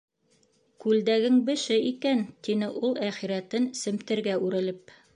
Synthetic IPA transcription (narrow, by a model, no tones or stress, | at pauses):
kʉld̪æɡɘŋbɘ̆ʃɘikænt̪inɘʔulˠæχiɾæt̪ɘnsɘ̆mt̪ɘ̆ɾɡæʉɾɘ̆lɘp̚